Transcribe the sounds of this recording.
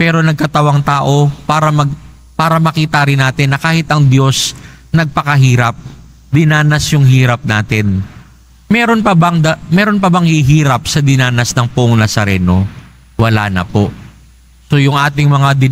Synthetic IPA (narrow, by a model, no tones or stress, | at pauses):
pɛːɾo̞nɐɡ̚kɐt̪ɐwɐŋt̪aːʔo̞paːɾɐmɐɡ | paːɾɐmɐkiːt̪ɐɾɪnːaːt̪ɪnːɐkaːhɪt̪ɐŋd̪jo̞s | nɐɡ̚pɐkɐɦiːɾɐp̚ | d̪ɪnaːnɐsjʊŋɦiːɾɐp̚naːt̪ɪn | mɛːɾo̞npɐbɐŋd̪ɐmɛːɾo̞npɐbɐŋhɪɦiːɾɐp̚sɐd̪ɪnaːnɐsnɐŋpʊʔoŋnɐsɐɾɛ̰ːno̞ | wɐla̰ːnɐ̰po̞ʔ | so̞jʊŋʔaːt̪ɪŋmɐŋad̪ɪ